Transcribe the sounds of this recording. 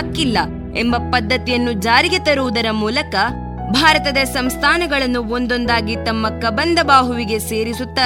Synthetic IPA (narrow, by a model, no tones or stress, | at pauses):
kilːɐ | embɐpɐd̪ʱːɐt̪ijɐnːud͡ʒaːɾiɡet̪ɐɾuʋud̪ɐɾɐmuːlɐkɐ | bʱaːɾɐt̪ɐd̪ɐsɐmst̪ʰaːnɐɡɐɭɐnːuond̪o̞nd̪aːɡit̪ɐmːɐkɐbɐnd̪ɐbaːɦuʋiɡe̞se̞ːɾisut̪ːɐ